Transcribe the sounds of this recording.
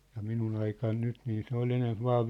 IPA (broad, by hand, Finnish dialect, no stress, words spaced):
jɑ minun ɑikɑn nyt niː se ol enemp ʋɑː